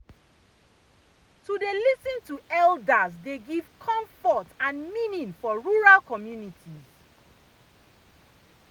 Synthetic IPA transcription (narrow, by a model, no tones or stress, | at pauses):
tudelisĩntuɛldazdeɡiv̥kʰɔ̃ɱfɔtãnmĩnĩnfɔɹuɹalkɔmjunitʰiz